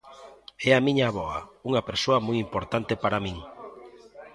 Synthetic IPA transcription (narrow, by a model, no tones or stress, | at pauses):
ɛamiɲaβɔauŋɐpeɾsoɐmujimpoɾt̪ant̪epaɾamĩŋ